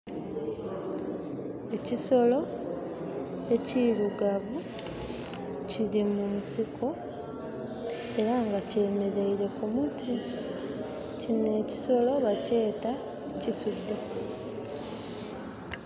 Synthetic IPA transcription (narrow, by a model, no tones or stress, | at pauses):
e̞ciso̞lo̞ | e̞ciɾuɡaβu | ciɾimunsikʰo̞ | e̞ɾaŋɡace̞ːme̞ɾeiɾe̞komutʰi | cine̞ːci̥so̞lo̞βace̞ːta | cisudːe